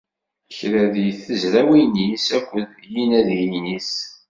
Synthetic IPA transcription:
çɾæðijθəzɾæwinisækʷːənjinæðijinis

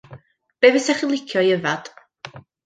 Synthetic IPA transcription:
b̥eːvɛsɛχilˠɪkʰjɔjəvad̥

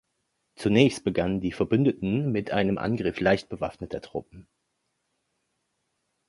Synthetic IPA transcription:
t͡sunɛːçst̚b̥əɡanəndiːfɛɐbʏndətn̩mɪtʔaɪnəmʔa̰nɡʁɪflaɪçt̚b̥əva̰fnətʰɐtʁ̥ʊ̰p̚m̩

